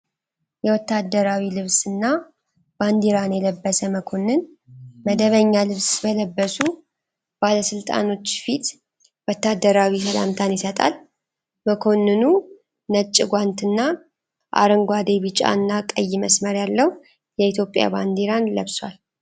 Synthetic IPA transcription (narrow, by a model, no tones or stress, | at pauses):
jɛwɔt̪ːad̪ːəɾawilɨβsɨnːa | b̥and̪eɾanjɛləbːəsəməkʰo̞nːɨn | məd̪əβəɲːalɨβsbələbːəsu | b̥aləsɨlt̪ʼa̰no̞t͡ʃːfit̪ | wɔt̪ːad̪ːəɾawisəla̰mt̪ʰanjɪsət̪ʼa̰l | məkʰo̞nːɨnu | nət͡ʃʼːɪɡʷant̪ɨnːa | ʔa̰ɾɨŋɡʷad̪eβɨt͡ʃʼa̰ɨnːakʼəjɪməsməɾjalːəw | jɛit̪ʰjo̞pʼja̰band̪eɾanləβswal